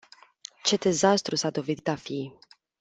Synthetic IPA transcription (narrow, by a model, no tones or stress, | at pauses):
t͡ʃe̞d̪e̞zast̪ɾusad̪o̞vit̪d̪afi